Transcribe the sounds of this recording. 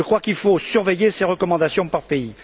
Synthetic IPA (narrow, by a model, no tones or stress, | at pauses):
əkχwakilfosyʁvejeseʁəkɔmɑ̃d̪asjɔ̃paʁpei